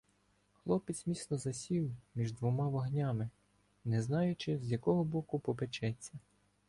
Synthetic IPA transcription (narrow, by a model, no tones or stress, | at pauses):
xlˠɔpɪt͡sʲmʲisnɔzɐsʲiwmʲiʒd̪ʋɔmɑʋɐɦnʲamɪ | nɛznɑjʊt͡ʃɪzʲjɐkɔɦɔbɔkʊpɔbet͡ʃɛt͡sʲːɐ